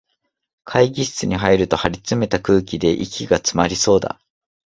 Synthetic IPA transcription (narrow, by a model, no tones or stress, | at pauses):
kʰaiɡʲiɕi̥t͡sɨɲ̟iɦaiɾɯ̟t̪o̞haɾʲit͡sɨme̞t̪akɯ̟ːkʲid̪e̞ʔikʲiɡat͡sɨmaɾʲiso̞ːd̪a̰